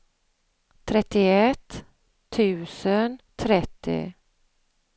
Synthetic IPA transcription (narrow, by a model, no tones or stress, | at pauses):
t̪ʰɾɛt̪ːɪɛt̪ʰː | ʉ̟ːsənt̪ʰɾɛt̪ːɪ̰